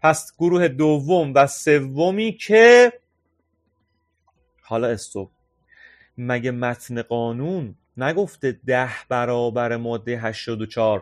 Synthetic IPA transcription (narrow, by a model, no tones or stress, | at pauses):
pʰæsɡ̥oɾuːhed̪ovːomvæse̞vːomiːcʰe | hɒːlɒːesːob̚ | mæɟemæt̪ʰneɢɒːnunː | æɡo̞ft̪ed̪æhbæɾɒːbæɾemɒːd̪ːejeɦæʃt̪ɒːd̪ot͡ʃʰɒːɾ